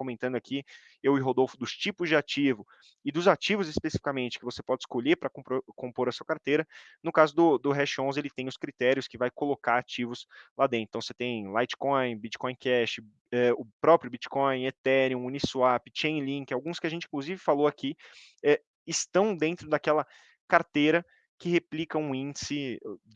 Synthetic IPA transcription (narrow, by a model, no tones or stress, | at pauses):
kõmẽnt̪ɐ̃nd̪ʊakʰi | ewɪɦod̪owfʊd̪ʊst͡ʃipʊzd͡ʒɪat͡ʃivʊ | ɪd̪ʊzat͡ʃivʊzɪspesifi̥kamẽnt͡ʃɪ̥kɪvosepɔd͡ʒɪskoʎepɾɐkõpɾokõmpoɾɐsuɐkaɾt̪ejɾɐnʊkazʊd̪ʊd̪ʊɦɛʃõzelɪt̪ẽj̃ʊskɾit̪ɛɾiʊskɪvajkolokaɾat͡ʃivʊslad̪ẽt̪ɐ̃w̃set̪ẽj̃lajt͡ʃkɔ̃j̃bit͡ʃi̥kɔ̃j̃kɛst͡ʃɪ | ɛʊpɾɔpɾjʊbit͡ʃi̥kɔ̃j̃et̪ɛɾiũunisuapɪt͡ʃẽj̃lĩŋkɪawɡũskɪaʒẽnt͡ʃɪĩŋkluzivɪfaloaki | ɛ | ɪst̪ɐ̃w̃d̪ẽnt̪ɾʊd̪akɛlɐ | kaɾt̪ejɾɐ | kɪheplikɐ̃ũĩnd͡ʒɪsɪ